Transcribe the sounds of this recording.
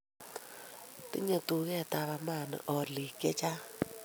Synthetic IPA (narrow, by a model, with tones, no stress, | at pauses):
tɪ˦ɲɔ˨tu˨ɣɛ˦˨ta˨βa˨ma˦˨n̰˨ʔɔ˨li˨kɛ˦t͡ʃa˦